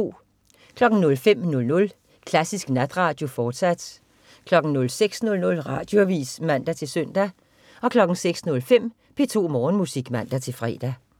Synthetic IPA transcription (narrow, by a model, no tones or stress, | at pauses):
kʰlɒ̽ɡ̥n̩nɔ̽lfem̰nɔ̽lnɔ̽l | kʰlæsisɡ̥næd̥ʁɑ̈ːd̥jo̝fɒːd̥sæd̥ | kʰlɒ̽ɡ̥n̩nɔ̽lseɡ̥snɔ̽lnɔ̽lʁɑ̈ːd̥jo̝æʋḭːsmæn̰d̥æt͡sʰe̝lsøn̰d̥æ | ɒ̽kʰlɒ̽ɡ̥n̩seɡ̥snɔ̽lfem̰ | pʰe̝t͡sʰo̝̰ːmɒːn̩musiɡ̥mæn̰d̥æt͡sʰe̝lfʁɛ̰ːd̥æ